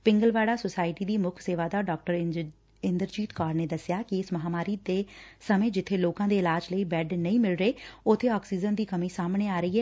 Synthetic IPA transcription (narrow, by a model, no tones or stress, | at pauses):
pɪ̃ŋɡəlʋaːɽaːsʊsaːɪʈiːd̪iːmʊkʰseːʋaːd̪aːɖɔːk̚ʈəɾ | ɪnd̪əɾd͡ʒiːt̪kaːɾneːd̪əsjaːkɪɪsməɦaːmaːɾiːd̪eːsəmẽːd͡ʒɪt̪ʰːeːloːkãːd̪eːɪlaːd͡ʒləiːbɛːɖnəĩːmɪlɾəeːʊt̪ʰːeːɔːksiːzənd̪iːkəmĩːsaːmɳeːaːɾəiːɦɛː